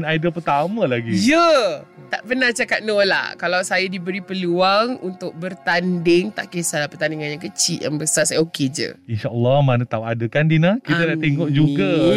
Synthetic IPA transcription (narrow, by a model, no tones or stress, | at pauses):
najdəpərt̪amə̃laɡijət̪aʔpənaht͡ʃakat̪̚nola̰hkalawsajadibəɾipəluaŋunt̪ʊk̚bərt̪andɪŋt̪a̰ʔkesalapərt̪andiŋanjaŋkət͡ʃiʔ̪ja̰ŋbəsarsajoked͡ʒə̰inʃaʔɔlːɔhmanət̪auadəkandinəkit̪ənaʔt̪eŋɔʔd͡ʒuɡa